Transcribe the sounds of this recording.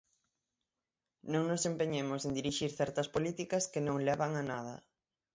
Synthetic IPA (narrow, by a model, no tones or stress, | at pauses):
nõŋnosempeɲemʊsend̪iɾiʃiɾθɛɾt̪ɐspolit̪ikɐskenõŋlɛβaŋanaðɐ̰